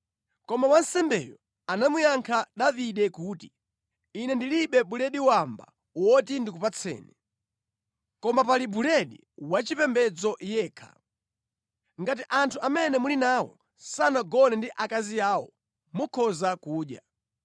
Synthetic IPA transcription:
kɔmawansɛmbɛ̰jɔ | anamujaŋkʰaɗaviɗɛkuːti | inɛndiliɓɛɓulɛɗiwamba̰ | wɔtindikupat͡sʰɛ̰ːnɛ | kɔmapalibulɛɗi | wat͡ʃipɛmbɛd͡zɔʔjɛːkʰḁ̰ | ŋɡatiʔantʰuʔamɛnɛmulinaːwɔ̰ | sanaɡɔnɛndiʔakaziaːwɔ | mukʰɔzakuːɗja

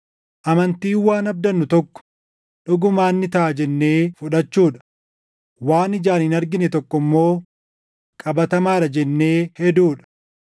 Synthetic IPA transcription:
ʔɐmɐnt̪iːwaːnɐb̚d̪ɐnːʊt̪ɔkːɔ̥ | ᶑʊɡʊmaːnːɪt̪ɐʔɐd͡ʒɛnːeːfʊᶑɐt͡ʃːuːᶑɐ̥ | waːnɪd͡ʒaːnhɪnɐɾɡɪnɛt̪ɔkːɔmːo̞ː | kʼɐbɐt̪ɐmaːɾɐd͡ʒɛnːe̞ːhɛd̪uːᶑɐ̥

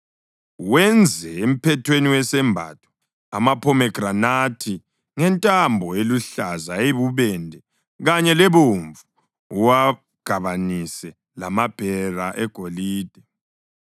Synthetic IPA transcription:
wɛnd͡zʱɛem̩pʰɛtʰweniwɛsɛmbʱa̰tʰʼu̥ | a̰mapʰɔmɛɡ̥ranatʰi | ŋɛntʼambʱɔeluɬazaeβuβɛndʱɛ | ɣaɲɛlɛβoɱvuː | wa | ɡ̥ʱaβanisɛ | la̰mab̥ʱɛraʔɛɡ̥ʱoliːd̥ʱɛ

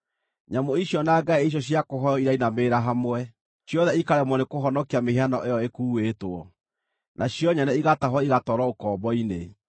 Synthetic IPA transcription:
ɲamoiɕjɔnaːɡaieiɕ̬jɔɕ̬jakoɦɔjɔiɾainameːɾaɦamwɛ | ɕjɔðɛikaɾɛmɔnekoɦɔnɔkiameheanɔʔejɔekuːwetoɔ | nʔaɕjɔɲanɛiɣataɦɔiɣatɔɾɔokɔbɔine

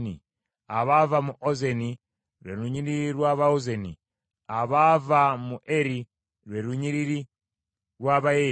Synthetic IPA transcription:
nḭ | aβavamuʔozeni | ɾweɾuɲiɾiɾwaβaozenḭ | aβavamuʔeɾi | ɾweɾuɲiɾiɾi | ɾwaβae

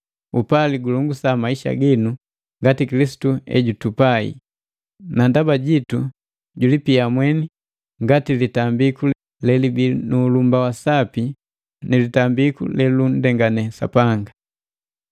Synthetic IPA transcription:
upaliɡuluŋɡusamaiʃa̰ɡinu | ŋɡatikilisi̥tuɛ̰ɟutupaḭ | nandabaɟitu | ɟulipiamwɛni | ŋɡatilitambikul | lɛlibinuːlumbawasapi | nilitambikṵlɛlun̩dɛŋɡanɛsa̰paŋɡa

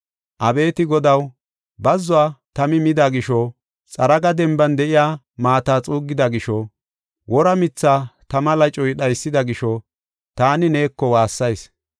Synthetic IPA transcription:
ʔɐbe̞ːt̪ɪɡɔd̪ɐw | bɐzːʊaːt̪ɐmɪmɪd̪aɡɪʃɔ | t͡sʼɐɾɐɡɐd̪ɛmbɐnd̪ɛʔɪjaː | maːt̪aːt͡sʼuːɡːɪd̪ɐɡɪʃɔ | wʔɔɾɐmɪt͡sːaːt̪ɐmɐlɐt͡ʃʼɔjɗɐjsːɪd̪ɐɡɪʃɔ | t̪aːnɪne̞ːkːɔwaːsːɐjs

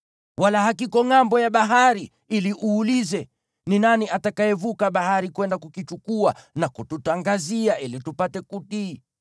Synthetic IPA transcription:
walahakikɔŋambɔjaɓaɦaɾi | iliʔuːlizɛ | ninaniatakaɛvukaɓahaɾikwɛndakukit͡ʃukuanakututaŋɡaziaʔilitupatɛkuti

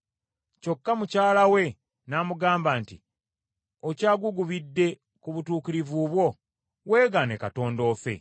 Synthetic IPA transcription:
co̞kːamucaːlawe̞ | naːmuɡaːmbaːntḭ | ocaːɡuɡuβidːe̞ | kuβutuːkiɾivuːβwo̞ | we̞ːɡane̞kato̞ːndo̞ːfe̞̰

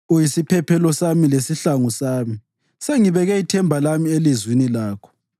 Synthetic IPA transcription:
ujisipʰɛpʰɛlɔsamilesiɬaŋusaːmi | seŋiβɛɣɛitʰɛmbʱalamielizwinilaːkʰɔ̥

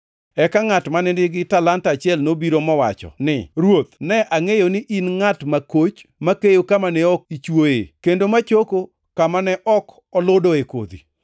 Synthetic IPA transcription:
ɛkaŋatmanɪnɪɡɪtalantat͡ʃɪɛlnobiɾomɔwa̰t͡ʃɔ̰nɪ̰ɾwot̪nɛʔaŋejonɪʔinŋatmakot͡ʃmakejokamanɛɔk̚it͡ʃwoḛkendomat͡ʃoko | kamanɛʔɔk | ɔlʊdoeko̰d̪ḭ

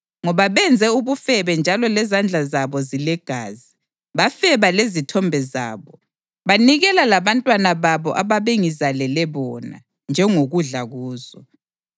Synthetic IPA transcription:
ŋɔβaβɛnd͡zʱɛuβufɛβɛnd͡ʒʱalɔlɛzand͡ɮʱazaβɔzilɛɡ̥ʱaːzi | βafɛβalezitʰɔmbʱɛza̰ːβɔ | βaniɣɛlalaβantʼwanaβaβɔʔaβaβeŋizalɛlɛβɔna̰ | nd͡ʒʱɛŋoɣuɮaɣuːzɔ

